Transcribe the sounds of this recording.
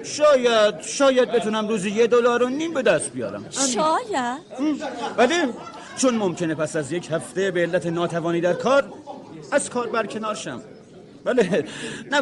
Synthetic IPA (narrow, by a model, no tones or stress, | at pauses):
ʃɒːjæd̪ʃɒːjæd̪̚be̞t̪ʰunæmɾuːzijed̪olɒːɾonːiːmbe̞d̪æst̪̚bijɒ̰ːɾæ̰mæʃɒːjæ | bæle | t͡ʃʰonmomcʰe̞ne̞pʰæsæzjecʰhæft̪ebeːlːæt̪ʰenɒːt̪ʰævɒːniːd̪æɾkʰɒːɾæz̥kʰɒːɾbæɾcʰe̞nɒːɾʃæ̰m | bælenæ